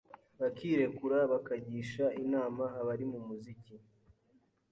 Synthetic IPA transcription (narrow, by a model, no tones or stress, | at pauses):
βakiːɾe̞kuɾaβakaɟiːʃaʔinaːmaɦaβaɾimumuzici